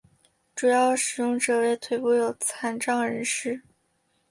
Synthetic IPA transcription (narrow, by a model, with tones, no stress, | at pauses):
ʈ͡ʂu˨˩jɑ˥˩ʊʂɻ̩˨˩jʊ˥˧ŋʈ͡ʂɤ˨˩we˥˩ɪt̪ʰwe˧˥ɪpu˥jo˨˩ʊt͡sʰa˧˥nʈ͡ʂɑ˥˩ŋɻə˧˥nʂɻ̩˥˩